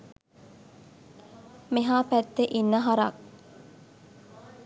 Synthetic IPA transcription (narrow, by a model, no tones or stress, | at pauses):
meɦaːpæt̪ːeʔinːəɦaɾɐ̰k